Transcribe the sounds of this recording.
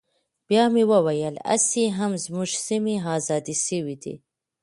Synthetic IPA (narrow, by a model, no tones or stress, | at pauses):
b̥jɑːmiwɐwɐjɐlɐ̰siɦɐmzmuʃsimiɦɑːzɑːd̪isiwid̪ḭ